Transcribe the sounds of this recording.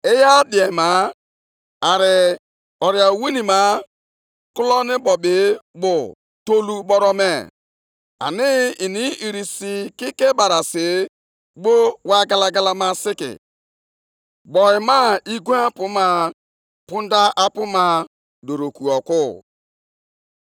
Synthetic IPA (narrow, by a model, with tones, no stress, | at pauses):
e˦ja˦di˨e˨ma˨˦ | a˨ɾɪ˨ | ɔ˨ɾja˨wi˦ni˨ma˨˦ | kʊ˦lɔ˦nɪ˦bɔ˨bɪ˨˦bʊ˨ | to˦lu˦ɓɔ˦ɾɔ˦me˦˨ | a̰˨nɪ˦i˨ni˦i˨ɾi˨si˨ki˦ke˦ba˨ɾa˨sɪ˨ | ɡ͡bo˦wa˦ɡa˨la˦ɡa˦la˦ma˦sɪ˦kɪ̰˨ | bɔ˨ɪ˨ma˦i˦ɡu˦a˦pʊ˦ma˨ | pʊ˦n˦da˦ʔa˦pʊ˦ma˦ | do˨ɾo˨ku˨ɔ˨kʊ˦